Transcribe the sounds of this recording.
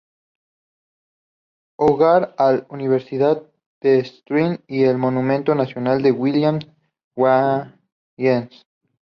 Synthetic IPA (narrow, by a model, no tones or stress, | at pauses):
oɣaɾaluniβ̞eɾsiðað | d̪̥est̪ɾinielmo̞numẽnt̪o̞nasjonald̪e̞ɣwiljams | wa | jens